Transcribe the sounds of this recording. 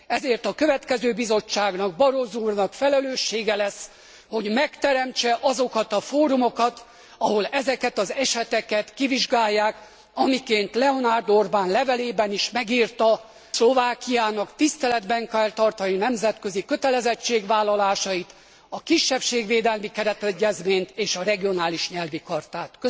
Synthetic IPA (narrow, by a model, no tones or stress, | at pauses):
ɛzeːrt̪ɒkø̞vɛt̪kɛzøːbizo̞t͡ʃːaːɡnɒɡ̚bɒɾozuːrnɒkfɛlɛløːʃːeːɡɛlɛsː | ho̞ɟmɛkt̪ɛɾɛmt͡ʃɛʔɒzo̞kɒt̪ɒfoːɾumo̞kɒt̪ | ɒho̞lɛzɛkɛt̪ɒzɛʃɛt̪ɛkɛt̪kiviʒɡaːjːaːk | ɒmikeːnt̪lɛo̞naːrd̪orbaːnlɛvɛleːbɛniʃmɛɡiːrt̪ɒ | slo̞vaːkijaːnɒkt̪ist̪ɛlɛd̪bɛŋkɛlt̪ɒrt̪ɒninɛmzɛt̪kø̞zikø̞t̪ɛlɛzɛt͡ʃːeːɡvaːlːɒlaːʃɒit̪ | ɒkiʃːɛpʃeːɡʋeːd̪ɛlmikɛɾɛt̪ɛɟːɛzmeːɲt̪eːʃɒɾɛɡio̞naːliʃɲɛlvikɒrt̪aːt̪kø